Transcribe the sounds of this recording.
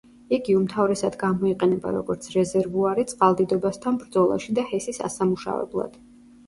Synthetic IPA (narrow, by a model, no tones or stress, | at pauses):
iɡiumt̪ʰavɾɛsad̪ɡamɔiqʼɛnɛba̰ɾɔɡɔɾt̪sʰɾɛzɛɾvuaɾit̪sʼqʼalˠd̪id̪ɔbast̪ʰanbɾd̪zɔlˠa̰ʃid̪ahɛsisa̰samuʃa̰vɛ̰blˠa̰d̪̥